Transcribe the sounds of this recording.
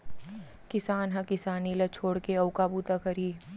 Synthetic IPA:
kɪsaːnɦɐ̃kɪsaːnilɐt͡ʃʰoːɽkeɐʊkabut̪akɐɾiː

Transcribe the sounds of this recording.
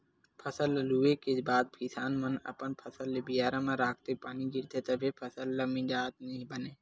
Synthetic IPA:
pʰəsəlːəluːekebaːd̪̚pʰisaːnmənɐ̰pənpʰəsəlːebijaːɾãmãɾaːk̚ʰt̪epaːniɡɪɾt̪ʰet̪ɐbʱepʰəsəlːəmĩd͡ʒaːt̪nebəneː

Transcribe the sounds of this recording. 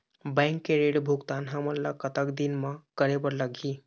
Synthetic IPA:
bɛ̃ŋkːeɾeɽbʱuɡt̪anɦəməɾlakət̪əkd̪inmakəɾebəɾləɡʱi

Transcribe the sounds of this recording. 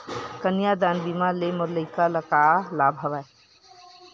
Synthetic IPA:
kənjad̪aːnbimaleməɾləɪkaləkalabʱəʋae

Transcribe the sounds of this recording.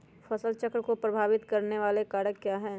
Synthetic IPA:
fɐsəlt͡ʃəkɾəkopɾɐbʱaːʋɪt̪kɐɾneʋaːlekaːɽəkːjaːɦɛː

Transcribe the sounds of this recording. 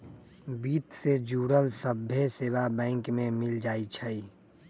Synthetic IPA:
biːt̪sed͡ʒuːɾəlsəbʱjeseːwabɛ̃ːŋkmẽmɪld͡ʒaːit͡ʃʰəi

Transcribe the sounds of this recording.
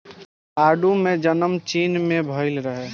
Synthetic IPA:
aɖumed͡ʒənəmt͡ʃinmebʱəɪlɾəɦɛ

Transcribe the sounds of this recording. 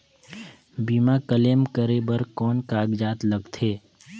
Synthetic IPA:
biːmakəleːmkəɾebəɾkɔːnkaːɡd͡ʒaːt̪ləɡt̪ʰeː

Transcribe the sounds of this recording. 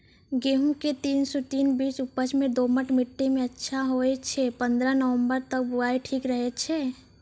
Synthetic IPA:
ɡeːɦũmket̪iːnsɔt̪iːnbiːt͡ʃʊpət͡ʃmẽd̪oːməʈmɪʈːemẽɐtːʃʰaɦoet͡ʃʰɛpə̃nd̪ɾanəʋə̃mbəɾt̪ək̚bʊɾaːeʈʰiːkɾəɦet͡ʃʰɛː

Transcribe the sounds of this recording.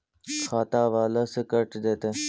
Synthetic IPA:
xʰaːt̪aːʋaːlaːsekəʈd̪eːt̪e

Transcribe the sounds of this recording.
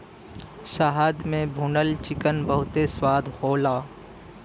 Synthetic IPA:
ʃaɦaːd̪mẽbʱunəlt͡ʃɪkənbəɦʊt̪eswaːd̪ʱhoːlaː

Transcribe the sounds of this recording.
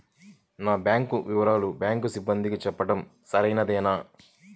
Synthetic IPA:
naːbjaːŋkuʋiʋɐɾaːlubjaːŋkusibːɐnd̪ikit͡ʃɛpːɐʈɐmsɐɾɐjnɐd̪ɛːnaː

